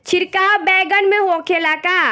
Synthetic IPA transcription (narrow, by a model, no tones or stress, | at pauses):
t͡ʃʰɪɾkaːwbɛːɡənmẽɦoːkʰelaːkaː